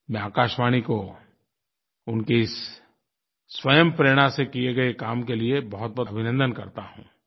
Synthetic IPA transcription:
mɛ̃aːkaːʃʋaːɽ̃iko | ʊnkeɪs | wɐjəmpɾeːɽ̃asekieɡɐekaːmkeliebɐɦʊt̪̚bɔbʱɪnə̃nd̪ənkɐ̰ɾt̪aɦṵ̃ː

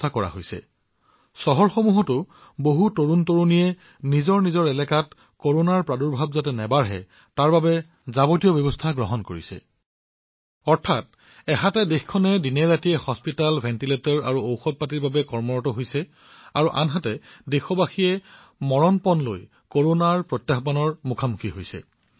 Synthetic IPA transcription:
tʰakɔɹa̰ɦojsɛ̰ | sɔɦɔɹxomuɦɔtʊ | boɦutoɹuntoɹunijɛ | nizɔɹnizɔɹɛlɛkat | koɹonaɹpɹadɔɹbʱabzatɛnɛbaɹɦɛ̰ | taɹbabɛ | zabotijɔbjɔbɔstʰaɡɹɔɦɔnkoɹḭsɛ̰ | ɔɹtʰat̚ | ɛɦatɛdexkʰɔnɛdinɛɹatijɛhɔspitalbʱɛntiletɔɹa̰ɹuowxɔt̚patiɹbabɛkɔɹmɔɹɔtɔɦojsɛ | a̰ɹuʔa̰nɦatɛdexɔbaxiɛ | mɔɹɔnpɔnlo̰j | koɹonaɹpɹɔtjaxbanɔɹmukʰamukʰiɦojsɛ̰

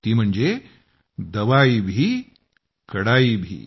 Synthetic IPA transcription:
t̪iːmɐɳd͡ʒeː | d̪ɐʋaːibʱi | kɐɽaːibʱḭ

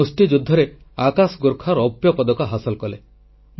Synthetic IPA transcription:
usʈ̪id͡ʒud̪ʱːɔɾe | akasɡoɾkʰaɾɔpjɔpɔd̪ɔkɔɦasɔlkɔle

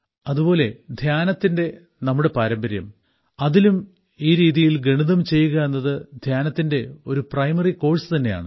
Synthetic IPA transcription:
ɐðubo̞ːle̞d̪ʱjaːnɐt̪ːinde̞ | nɐmːuɽe̞paːɾɐmbɐɾjɐm | ɐðilum | iːɾiːðijilɡe̞ɳiðɐmt͡ɕe̞jːuɣɐe̞nːɐðɨd̪ʱjaːnɐt̪ːinde̞o̞ɾuprɐjmɐriko̞ːɻsɨt̪ɐnːe̞ja̰ːɳɨ

